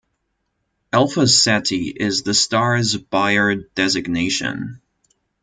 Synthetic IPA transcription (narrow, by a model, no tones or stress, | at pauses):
ɛlˠfəsɛɾiʔɪzðɨstɑɹzb̥aɪə˞d̥ɛzɨɡ̚neɪʃɨ̰̃n